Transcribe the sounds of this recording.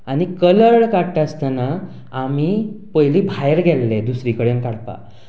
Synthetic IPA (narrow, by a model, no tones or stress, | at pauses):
añikələɭkaʈast̪anaː | mipəjliːbʱajəɾɡʱɛlːed̪usɾikəɭenkaɽpa̰